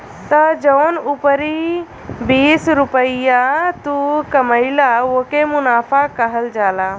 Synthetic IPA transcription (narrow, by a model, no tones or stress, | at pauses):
t̪əd͡ʒəʊnupəɾi | biːsɾʊpəɪjat̪ukəməɪlaokemʊnaːpʰakəɦəld͡ʒaːlaː